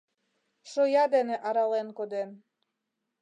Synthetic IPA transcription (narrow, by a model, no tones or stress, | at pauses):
ʃojɑd̪eneʔɑɾɑlenkod̪en